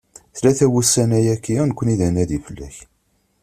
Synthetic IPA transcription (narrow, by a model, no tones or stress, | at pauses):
θlæθæwusːænæjækːinəkʷːəniðænæðifəlːæ̰ç